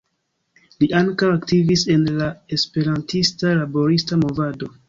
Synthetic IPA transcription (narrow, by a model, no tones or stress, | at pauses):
liʔaŋkawaktivise̞nlae̞spe̞ɾantʰistalabo̞ɾistamo̞vado̞